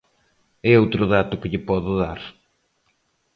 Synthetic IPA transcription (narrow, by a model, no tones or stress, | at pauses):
ɛowt̪ɾʊðat̪ʊkɪʎɪpɔðʊðaɾ